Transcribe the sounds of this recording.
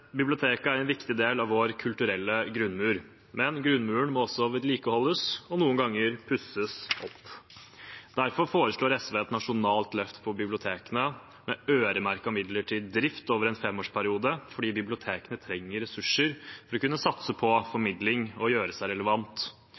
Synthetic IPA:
bɪblɪʊt̪ʰeːkəæɾɛnʋɪkt̪ɪd̪eːlɑʋʋoːɾkʰʉlt̪ʉɾɛlːəɡɾʉnːmʉːɾ | mɛnɡɾʉnmʉːəɳmɔɔsːɔʋɛd̪liːkəhɔlːəsɔnuːənɡɑŋːəɾpʰʉsəsɔpː | d̪̥æɾfɔɾfoːɾəʂɭoːɾɛsʋɛt̪nɑʂʊnɑːlt̪lœft̪pʰɔbɪblɪʊt̪ʰeːkənə | mɛøːɾəmæɾkɔmɪd̪ləʈʰɪd̪ɾɪft̪oːʋəɾɛnfɛmːoːʂpʰæɾɪuːd̪əfɔɖiːbɪblɪʊt̪ʰeːkənət̪ʰɾɛŋːəɾɛsʉʂːəɾfɔɾɔkʉnːəsɑt̪səpʰɔfɔɾmɪd̪lɪŋɔjøːɾəsæɪɾɛləʋɑnt̪

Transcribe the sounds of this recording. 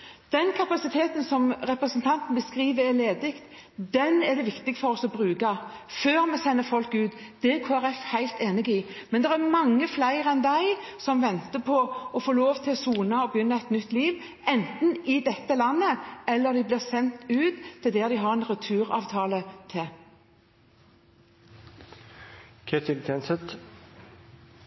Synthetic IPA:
d̪̥ɛnkʰɑpɑsɪt̪ʰeːt̪n̩sɔmɾɛpɾəsnt̪ʰɑnt̪n̩bəskɾiːʋəɾɛleːd̪ɪkt̪ | d̪ɛnɛd̪ɛʋɪkt̪ɪɡfɔɾɔsɔbɾʉːɡɑføːɾmɛsɛnːəfɔlkːʉːt̪ | d̪̥ɛkʰoːæɾɛfhæɪlt̪eːnɪɡɪ | mɛnd̪ɛɾæmɑŋːəflæɪɾɛnd̪æɪsɔmʋɛnt̪əpʰɔɔfoːloːʋt̪ʰɪlɔsuːnɑɔbjʏnːəɛt̪nʏt̪ːliːʋ | ɛnt̪n̩ɪd̪ɛt̪ːəlɑnːəɛlːəɾd̪ɪblɪːʁsɛnt̪ʉːt̪ʰːɪld̪ɛːd̪ɪɦɑʁɛnʁʉt̪ʰʉːɾɑ̰ːʋt̪ʰɑːlət̪ʰɪ | kʰet̪ʰɪlt̪ʰɛnsɛt̪

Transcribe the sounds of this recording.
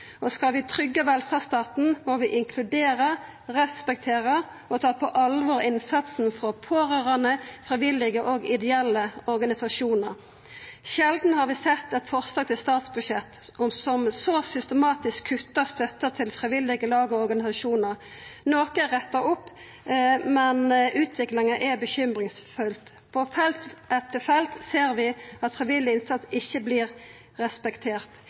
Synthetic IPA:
ʔɔskɑlʋɪt̪ʰʁʏɡːəʋɛlfɑːʁst̪ɑːt̪n̩mɔʋɪʔɪŋkʰlʉd̪eːʁə | ʁɛspɛk̚t̪ʰeːʁə | ʔɔt̪ʰɑːpʰɔʔɑlʋɔʁɪnsɑt̪sn̩fʁɔpʰoːʁøːʁɑnəfʁɪʋɪlːɪɡəʔɔɡɪd̪ɛɛlːəɔʁɡɑnɪsɑʃuːnəʁ | ʃɛld̪n̩hɑʁʋɪsɛt̪ːɛt̪fɔʁslɑːɡ̚t̪ʰɪlst̪ɑːt̪sbʉʂɛt̪ːʊmsɔmsɔsʏst̪əmɑːt̪ɪskʰːʉt̪ːəst̪œt̪ːət̪ʰɪlfʁɪʋɪlːɪɡəlɑːɡɔɔɾɡɑnɪsɑʂuːnəʁ | noːkəʁɛt̪ːəɾʊpː | mɛnʔʉːt̪ʰʋɪklɪŋəʔɛbəçʏmʁɪŋsfʉlt̪ | pʰɔfɛlt̪ʔɛt̪ːəfɛlt̪seːɾʋɪɑt̪fʁɪʋɪlːɪɪnsɑt̪sɪçːəbliːʁː | ɛspɛkt̪ʰeːʁt̪

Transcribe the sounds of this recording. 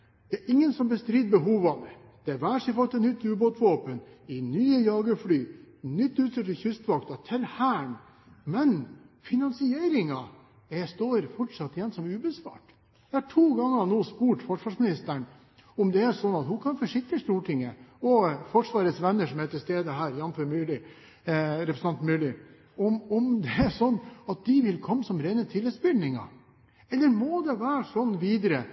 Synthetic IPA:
d̪̥ɛæɾʔɪŋːənsɔmbəst̪ɾiːd̪̚bəɦuːʋɑmə | d̪̥ɛʋæːʂɪfɑt̪ːənʏt̪ːʉːboːt̪ʋoːpənɪnyːəjɑːɡəflyːnʏt̪ːʉːt̪ɪt̪əçʏst̪ʋɑkt̪ɑt̪ʰɪlhæːɳ | mɛnfɪnɑnsɪeːɾɪŋɑ | ɛst̪oːɾfɔʈʂɑt̪ːɪjɛnːsɔmʉːbəsʋɑ̰ːʈ | jɛɪhɑʈʰuːɡɑŋːənoːspuːʈfɔʂʋɑːʂmɪnɪst̪əɳ | ɔmd̪ɛæɾʂɔnːɑt̪hʊkʰɑnfɔʂɪk̚t̪əʂt̪uːʈʰɪŋːə̰ɔfɔʂʋɑːɾət̪sʋɛnːəʂɔmæt̪ʰːɪst̪eːd̪əɦæːɾjɑnføɾmʉːlɪ | ɾɛpɾsnɑnt̪mʉːlɪ | ɔmɔmd̪ɛæʂɔnːɑt̪̚d̪ɪʋɪlkʰɔmːsɔmɾɛɪnət̪ʰɪlːət̪sbʏlnɪŋɑ̰ | ɛlːəɾmɔd̪ɛʋæːɾʂɔnːʋiːd̪əɾə

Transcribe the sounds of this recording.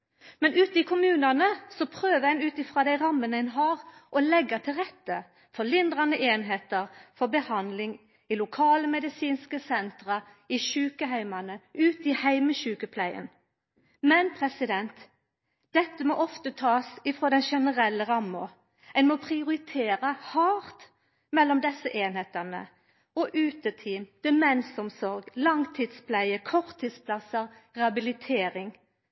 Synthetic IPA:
mɛnʉːt̪ɪkʰʊmʉːnɑnəsɔpʰɾøːʋəɛnʉːt̪ɪfʁɑːd̪æɪʁɑmːənəɛnɦɑːʁʔɔlɛɡːɑt̪ʰɪlʁɛt̪ːə | fɔlɪnd̪ɾɑnəʔeːnɦeːt̪əʁfɔbəhɑnd̪lɪŋ | ɪlʊkʰɑːləmɛd̪ɪsiːnskəsɛnt̪ɾə | ɪʃʉːkəɦæɪmɑnəʉːt̪ɪhæɪməʃʉːkəpʰlæɪə̰n | mɛnpʰʁɛsɪd̪ɛnt̪ | d̪̥ɛt̪ːəmɔʔɔft̪ət̪ʰɑːsɪfɾoːd̪ɛnʃɛnəɾɛlːəʁɑmːʊ | ɛnmɔpʰʁɪʊɾɪt̪ʰeːɾɑhɑːʁt̪ | mɛlːɔmd̪ɛsəʔeːnheːt̪ənə̰ | ɔʔʉːt̪ət̪ʰiːmd̪̥ɛmɛnsɔmsɔɾɡlɑŋt̪ʰiːd̪spʰlæɪəkʰɔʁt̪ʰːiːd̪spʰlɑsəʁʁɛhɑbɪlɪt̪ʰeːʁɪŋ

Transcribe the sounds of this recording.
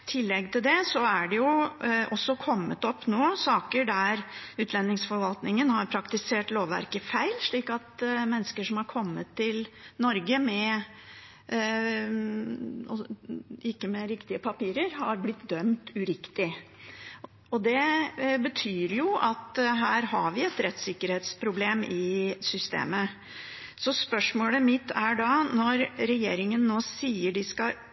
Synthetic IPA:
t̪ʰɪlːɛɡt̪ʰɪld̪ɛsɔæɖɛjʊʔɔsːɔkʰɔmːət̪ɔpːnoːsɑːkəɖæɾʉːt̪lɛnːɪŋsfɔɾʋɑlt̪nɪŋənhɑɾpʰɾɑkt̪ɪseːʈloːʋʋæ̰ɾkəfæɪlʂɭiːkɑt̪mɛnːəskəʂɔmhɑɾkʰɔmːət̪ʰːɪlnɔɾɡəmɛ | ɔɪkːəmɛɾɪkt̪ɪəpʰɑpiːɾəɾɦɑɾblɪt̪d̪œmt̪ʉɾɪkt̪ɪ | ɔd̪ɛbət̪ʰyːɾjʊʔɑt̪ɦæːɾɦɑɾʋɪɛt̪ɾɛt̪sɪkːəɾheːt̪spʰɾʊbleːmɪsʏst̪ḛːmə | sɔspœʂmoːləmɪt̪ːæɖɑnɔɾɾɛjeːɾɪŋənːoːsiːəɖɪskɑ

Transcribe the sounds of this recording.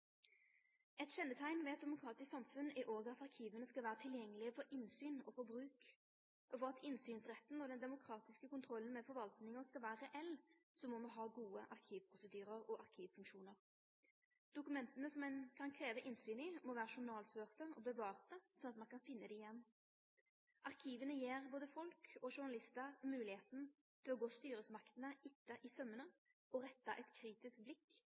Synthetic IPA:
ɛt̪ɕɛnːət̪ʰæɪnʋɛɛt̪̚d̪ɛmʊkʰʁɑːt̪ɪsksɑmfʉnæʔoːɡəɑt̪ɑʁkʰiːʋənəskɑlʋæːʁət̪ʰɪljɛŋːəlɪəfɔɾʔɪnsyːnɔ̰fɔbʁʉːk | ʔɔfɔʁɑt̪ɪnsyːnsʁɛt̪ːn̩ɔd̪ɛnd̪ɛmʊkʰɾɑːt̪ɪskəkʊnt̪ʰɾɔlːən̩mɛfɔɾʋɑlt̪nɪŋəskɑlʋæːʁəʁɛʔɛlsɔmɔmɑɦɑːɡuːəʔɑʁkʰiːʋpʰʁʊsəd̪yːɾəʁɔʔɑʁkʰiːʋfʉŋkʃuːnəʁ | d̪̥ʊkʉmɛnt̪ənəsɔmɛnkʰɑnkʰɾeːʋəʔɪnsyːnɪmɔʋæːʁəʃʊnɑːlføːʁt̪əɔbəʋɑːʁt̪əsɔnɑt̪mɑnkʰɑnfɪnːəd̪iɪjɛnː | ʔɑʁkʰiːʋənəjeːʁboːd̪əfɔlkʰɔʃʊnɑlɪst̪əʁmʉːlɪheːt̪n̩ | t̪ʰɪlɔɡoːst̪yːɾəsmɑkt̪ənəɪt̪ːəʔɪsœmːənə | ɔʁɛt̪ːɑ̰ʔɛt̪kʰɾiːt̪ɪskblɪkː

